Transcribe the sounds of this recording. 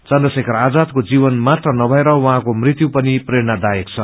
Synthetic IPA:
t͡sʌnd̪ʌsekʌɾad͡zad̪̚kod͡zibʌnmat̪rʌnʌbʱʌeɾʌwʌɦãkomrit̪jupʌnipreɾnad̪ajekt͡sʰʌ

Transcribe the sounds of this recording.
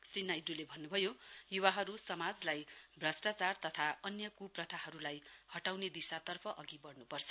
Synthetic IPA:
srinajɖulebʱʌnːubʱʌjojuwaɦʌɾusʌmad͡zlajbrasʈat͡sart̪ʌt̪ʰaʌnjʌkuprʌt̪ʰaɦʌɾulajhʌʈawned̪isat̪ʌrpʰʌʔʌɡibʌɽnupʌrt͡sʰʌ̥

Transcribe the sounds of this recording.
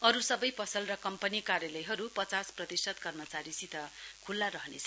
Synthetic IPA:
ʌɾusʌbʌjpʌsʌlrʌkʌmpʌnikaɾjalʌjɦʌɾupʌt͡sasprʌt̪isʌt̪kʌrmʌt͡saɾisit̪ʌkʰulːaɾʌɦʌnḛt͡sʰʌ

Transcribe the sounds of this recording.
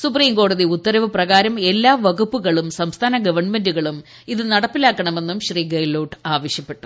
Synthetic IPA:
supriːmko̞ːɽɐðiut̪ːɐɾɐʋɨprɐɣaːɾɐme̞lːaːʋɐɣupːuɣɐɭumsɐmst̪ʰaːnɐɡɐʋɐrɳme̞nduɣɐɭum | iðɨnɐɽɐpːilaːkːɐɳɐme̞nːumɕriːɡɐjloːʈaːʋɐɕjɐpːe̞ʈːu̥

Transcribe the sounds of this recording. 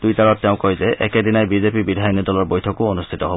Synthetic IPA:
d̥̪ujt̪aɹɔtːeʊ̃kɔjzeʔɛked̪inajbizepibid̪ʱajɔnjɔd̪ɔlɔɹbojtʰɔkoonust̪ʰit̪ɔɦo

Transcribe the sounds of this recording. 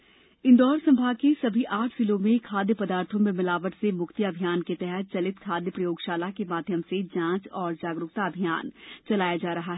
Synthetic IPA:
ɪ̃nd̪ɔːɾsɐ̃mbʱaːkesɐbʱiʔaːʈʰfɪlomẽkʰaːd̪jəpɐd̪aːɾt̪ʰõmẽmɪlaːʋəʈsemʊkt̪ijaɐbʱijaːnket̪ɛɦɛt̪̚t͡ʃɐlɪt̪kʰaːd̪jəpɾɐjoːɡʃaːlakemaːd̪ʱjəmsed͡ʒãːt͡ʃɔːɾd͡ʒaːɡɾʊk̚t̪aɐbʱija̰ːnt͡ʃɐlaːjad͡ʒaːɾɐɦaɦɛ

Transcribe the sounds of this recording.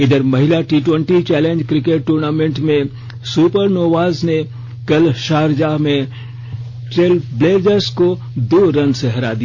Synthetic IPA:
ɪd̪əɾmɐɦɪlaʈiːʈwə̃ɳʈit͡ʃɛːlẽːnd͡ʒkɾɪkeʈ̚ːuːɾnaːmẽɳʈmẽ | suːpəɾnoːʋaːzne | kɐlʃaːɾd͡ʒaːɦmẽ | ʈeːlbleːd͡ʒəɾsko | d̪oːɾɐ̃nseɦɐɾa̰ːd̪ia

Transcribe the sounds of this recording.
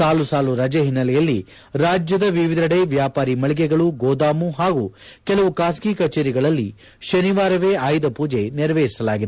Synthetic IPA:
saːlusaːluɾɐd͡ʒɐɦinːɐlɛjɐlːḭ | ɾaːd͡ʒjɐd̪ɐʋiʋid̪ʱɐɽeːʋjaːpaːɾimɐɭiɡɛɡɐɭuɡoːd̪aːmuɦaːɡukɛlɐʋukaːskiːkɐt͡ʃeːɾiɡɐɭɐlːḭ | ʃɐniʋaːɾɐʋeːaːjd̪ɐpuːd͡ʒeniɾɐʋeːɾisɐlaːɡid̪e

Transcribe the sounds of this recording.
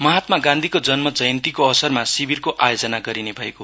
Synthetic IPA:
mʌɦat̪maɡãnd̪ʱikod͡zʌnmʌd͡zʌjʌnt̪ikoʌsʌrmasibirkoʔajod͡zʌnaɡʌɾinebʱʌeko

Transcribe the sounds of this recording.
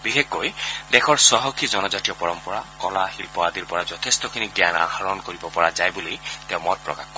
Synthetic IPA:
bixekːojdɛxʰɔɹsɔɦɔkʰizɔnɔzatijɔpɔɹɔmpɔɹakɔlaxilpɔadiɹpɔɹazɔtʰestɔkʰiniɡjana̰xaɹɔnkoɹibɔpɔɹazajbulejtɛʊ̃mɔt̚pɹɔ̰kaxkɔ

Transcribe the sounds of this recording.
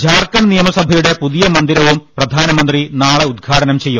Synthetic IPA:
d͡ʑaːrkɐɳnijɐmɐsɐbʱɐjuɽe̞puðijɐmɐnd̪iɾɐʋumprɐd̪ʱaːnɐmɐnd̪rinaːɭeud̪̚ɡʰʱaːʈɐnɐmt͡ɕe̞jːum

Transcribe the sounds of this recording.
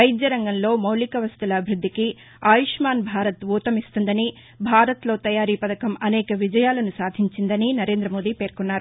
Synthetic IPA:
ɐjid̪jɐɾɐŋɡɐnlo̞ːmɐwlikɐʋɐst̪ulɐbʱiɾud̪ʱːiki | aːjuʂmaːnbʱaːɾɐt̪ʋuːt̪ɐmist̪und̪ɐni | bʱaːɾɐt̪lo̞ːt̪ɐjaːɾiːpɐd̪ɐkɐmɐnɛːkɐʋid͡ʒɐjaːlɐnusaːd̪ʱiɲt͡ʃind̪ɐninɐɾe̞ːnd̪ɾɐmo̞ːd̪iːpe̞ːɾkunːaːɾu

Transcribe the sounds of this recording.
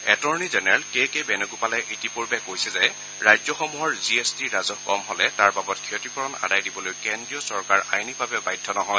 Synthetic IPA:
ɛtɔɹnizɛnɛɹɛlkekebɛnoɡupalɛʔetipuɹbɛkojsɛzɛ | ɹajzɔxɔmuɦɔɹziestiɹazɔkɔmɦɔlɛtaɹbabɔtkʰiɔtɹikɔɹɔna̰dajdibɔlojkendɹijɔsɔɹkaɹajnibʱabɛbajdʱːɔnɔɦɔj

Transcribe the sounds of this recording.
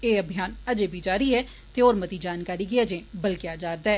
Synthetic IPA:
eːəbʱijaːnəd͡ʒẽːbʱid͡ʒaːɾiɦɛ | t̪eːoːɾmət̪id͡ʒaːnkaːɾiɡɪad͡ʒẽːbəlkɪjad͡ʒaːɾd̪aːɦɛː

